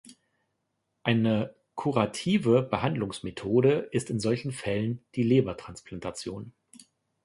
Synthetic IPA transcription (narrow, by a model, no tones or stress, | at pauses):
ʔaɪnə | kʰuʁatʰiːvəbəhandlʊŋsmetʰoːdəʔɪstɪnzɔlçn̩fɛlənd̥iːleːbɐtʁ̥ansplantʰat͡sjoːn